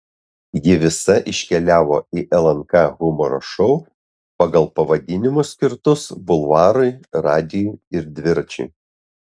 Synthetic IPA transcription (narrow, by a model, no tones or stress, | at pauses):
jɪʋʲɪsɐʔɪʃʲkʲɛlʲæːʋo̰ːiʔɛlˠɐŋkɑɣʊmɔɾo̰ʃɔʊ | pɐɡɐlˠpɐʋɐd̪ʲɪnʲɪmʊsʲkʲɪɾt̪ʊsbʊlˠʋɑːɾɐɪɾɑːd̪ʲɪjʊɪɾd̪ʲʋʲɪɾt͡ʃʲɛ̰ɪ